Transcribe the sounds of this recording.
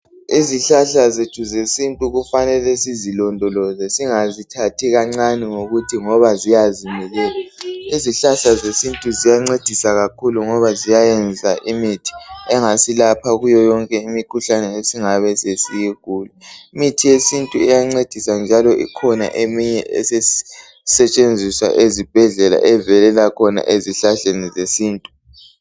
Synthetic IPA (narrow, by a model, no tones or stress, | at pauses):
iziɬaɬazid̥ʒ̥ʱuzesintʼuɣufanɛlesizilɔndʱɔlɔzɛsiŋazitʰatʰiɣaŋ͡ǀaniŋoɣutʰiŋɔβazijazimɛlɛːlaiziɬaɬazesintʼuzijaŋ͡ǀed̥ʱisaɣakʰuluŋɔβazijajɛnd͡zʱaʔimitʰi̥ɛŋasilapʰaɣujɔjɔŋkʼɛimikʰuɬanɛesiŋaβɛsesijiɡ̥ʱuːliimitʰijesintʼuɛjaŋ͡ǀed̥ʱisand͡ʒʱalɔʔḭkʰɔna̰ʔemiɲɛʔɛ̰se | sɛt͡ʃʼend͡zʱiswa̰ʔezib̥ʱɛɮɛla̰ʔɛvɛlɛlakʰɔna̰ʔeziɬaɬenizesiːntʼu̥